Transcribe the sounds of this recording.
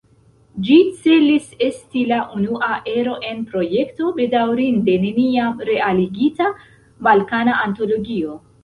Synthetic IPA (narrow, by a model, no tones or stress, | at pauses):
d͡ʒit͡se̞lise̞stilaʔunuʔaʔe̞ɾo̞ʔe̞npɾo̞je̞kto̞be̞dawɾinde̞ne̞niamɾe̞aliɡita | balkanaanto̞lo̞ɡio̞